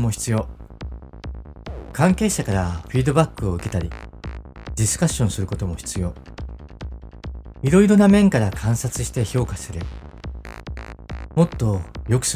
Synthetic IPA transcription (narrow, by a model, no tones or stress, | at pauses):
mo̞çi̥t͡sɨjo̞ | kãŋke̞ːɕakaɾaɸiːd̪o̞bakːɯ̟oɯ̟ke̞t̪aɾʲi | d̪ʲisɨ̥kaɕːõ̞ɰ̃sɨɾɯ̟ko̞t̪o̞mo̞çi̥t͡sɨjo̞ː | iɾo̞iɾo̞namẽ̞ŋkaɾakʰãɰ̃sat͡sɨ̥ɕi̥t̪e̞ço̞ːkasɨɾɯ | mo̞t̪ːo̞jo̞kɯ̟̥s